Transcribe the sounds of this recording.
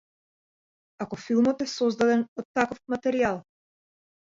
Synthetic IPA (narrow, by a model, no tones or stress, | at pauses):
akɔfilˠmɔt̪ɛsɔzd̪ad̪ɛnɔt̪ːakɔfmat̪ɛɾialˠ